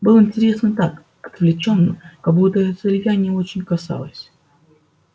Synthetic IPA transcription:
bɨlˠəɪnʲtʲɪɾʲe̞snət̪ak | ɐt̪vlʲɪt͡ɕo̞nːə̰kɐɡbut̪əɛət̪səlʲvʲanʲɪəo̞t͡ɕɪnʲkɐsa̰lˠəsʲ

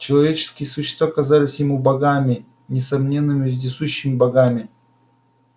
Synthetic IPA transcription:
t͡ɕɪlˠɐvʲet͡ɕɪ̥skʲɪjəsʊɕːɪst̪vaːkɐzalʲɪsʲjɪmubɐɡamʲɪ | nʲɪsɐmnʲe̞nːɨmʲɪzʲdʲɪsuɕːɪmʲɪbɐɡamʲɪ

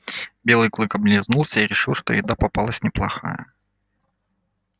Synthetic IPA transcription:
bʲe̞lˠɨjklˠɨkɐblʲɪznulˠsʲəiɾʲɪʂɨlˠʂt̪o̰jɪd̪apɐpalˠəsʲnʲɪplˠɐxa̰jə̰

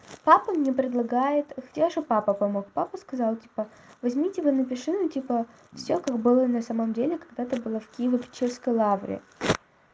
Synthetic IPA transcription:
papəmnʲepɾʲɪd̪lˠɐɡajɪt̪xɐtʲaʐɨpapəpɐmokpapəskɐzɑlˠtʲi̥pə | vɐzʲmʲitʲɪvɨnəpʲɪʂɨnʊtʲipə | fsʲokaɡbɨlˠənɐsaməmdʲelʲɪkɐɡd̪at̪ɨbɨlˠəfkʲijɪvəpʲɪ̥t͡ɕːerskəjlˠavɾʲɪ̰

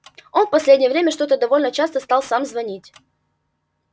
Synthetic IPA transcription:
o̞nfpɐsʲlʲedʲnʲɪjəvɾʲemʲəʂt̪o̞t̪əd̪ɐvo̞lʲnət͡ɕast̪əst̪alˠsamzvɐnʲitʲ

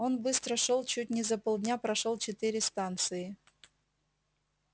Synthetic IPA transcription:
onbɨst̪ɾəʂolˠt͡ɕut̚ʲnʲɪzɐpolˠd̪ʲnʲapɾɐʂolˠt͡ɕɪt̪ɨɾʲɪst̪ant̪sɨɪ

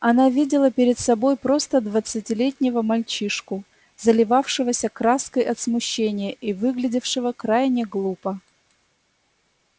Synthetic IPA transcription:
ɐnavʲidʲɪlˠəpʲɪɾʲɪt̪sɐbo̞jpɾo̞st̪əd̪vət̪sɨtʲɪlʲetʲnʲɪvəmɐlʲt͡ɕiʂkʊ | zəlʲɪvafʂɨvəsʲəkɾaskəjɐt̪smʊɕːenʲɪjəʔivɨɡlʲɪdʲɪfʂɨvəkɾajnʲɪɡlˠupə

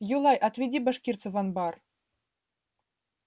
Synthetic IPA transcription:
julˠɑjʔɑt̪vʲed̪ʲibɑʂkʲirt̪sə̆vɑnbɑr

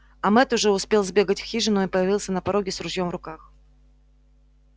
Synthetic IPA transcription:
ɐmɛt̪ʊʐɛʊspʲe̞lˠzbʲe̞ɡətʲfxʲiʐɨnʊipəjɪvʲilˠsʲənəpɐɾoɡʲɪsɾʊʐjomvɾʊkax

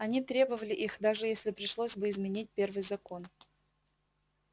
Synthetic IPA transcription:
ɐnʲit̪ɾʲe̞bəvəlʲɪʔixd̪aʐɨjesʲlʲɪpɾʲɪʂlˠosʲbɨɪzmʲɪnʲit̚ʲpʲe̞rvɨjzɐko̞n

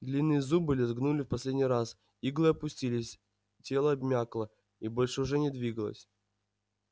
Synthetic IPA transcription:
d̪lʲinːɨjəzubɨlʲɪzɡnulʲɪfpɐsʲlʲedʲnʲijɾas | iɡlˠɨɐpʊsʲtʲilʲɪsʲ | tʲe̞lˠəɐbmʲaklˠə | ibo̞lʲʂɨʊʐɛnʲɪd̪vʲiɡəlˠə̰sʲ

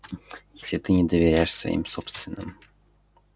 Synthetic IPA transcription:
jesʲlʲɪt̪ɨnʲɪd̪əvʲeɾʲajʂsvɐ̰ʔḭmsopst̪vʲɪnːɨm

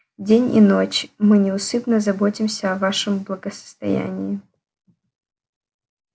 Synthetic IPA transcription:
dʲenʲḭnot͡ɕmɨnʲɪʊsɨpnəzɐbotʲɪmsʲəɐvaʂɨmblˠəɡəsə̥st̪ɐ̰jæ̰nʲɪjɪ

